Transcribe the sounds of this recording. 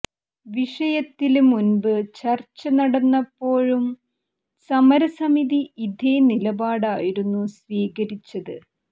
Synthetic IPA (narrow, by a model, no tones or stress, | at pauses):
ʋiʂɐjɐt̪ːilumunbɨt͡ɕɐrt͡ɕːɐnɐɽɐnːɐpːo̞ːɻum | sɐmɐɾɐsɐmiðiid̪ʱenilɐbaːɽaːjiɾunːusʋiːɣɐɾit͡ɕːɐðɨ